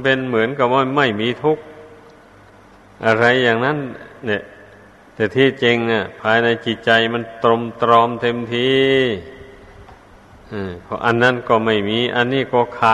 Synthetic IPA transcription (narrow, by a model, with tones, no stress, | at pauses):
pe˧nmɯ˩˦ənka˧˩mɔ˧˥˩ma˧˥˩jmiː˧˥˨t̪ʰu˧˥˩k̚ | ʔa˧ɾa˧jːaː˨˩ŋna˥˨nlɛ˧˩ | t̪ɛː˧˩t̪ʰiː˧˩t͡ɕe˧ŋna˧˩pʰaː˧jna˧jt͡ɕi˧˩t̪̚t͡ɕa˧jma˧˥˨nt̪ɾo˧mt̪ɾɔː˧˥mt̪ʰe˧mt̪ʰiː˧ | ʔɯː˧˩pʰɔ̰˧˥ʔa˧nːa˧˥˩nkɔː˧˩ma˧˩jmiː˧˥ʔa˧nːiː˥˩kɔː˧˩kʰaː˧˩